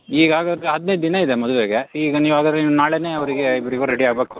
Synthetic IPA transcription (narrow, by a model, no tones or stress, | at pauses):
iːɡɐaːɡad̪ɾeɦɐd̪nejd̪̚d̪inɐid̪emɔd̪ulʋeːɡeiːɡɐniːʋaːɡad̪ɾɛniːnaːɭeneːɐʋɐɾiɡeibɐɾiɡoɾeɽiaːɡbeːku̥